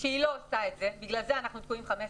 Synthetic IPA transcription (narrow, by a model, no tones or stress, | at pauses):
ʃeilo̞osaet̪zebiɡlalzeanaχnut̪̚kuimχames